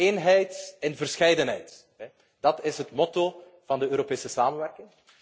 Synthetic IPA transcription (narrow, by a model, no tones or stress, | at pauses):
eːnɦɛjtɛnvərsxɛjdənɦɛjt | ɦɛ | d̥ɑtɪsɦətmɔto | v̥ɑndəøːɾopeːsəsaːmənʋɛrkɪŋ